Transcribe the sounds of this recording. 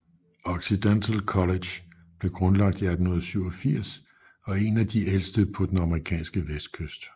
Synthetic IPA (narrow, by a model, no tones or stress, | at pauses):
ɒɡ̥sid̥ent͡sʰəlkʰɒle̥j | b̥le̝ɡ̥ʁɔ̽nlɑ̈ɡ̥̚d̥iæd̥onɐð̩ˠsyʊɒfiɐ̰s | ɒ̽e̝næd̥iʔel̰sd̥əpʰɒ̽d̥enɑ̈məʁikʰɛ̰ːnsɡ̥əʋesd̥̚kʰøsd̥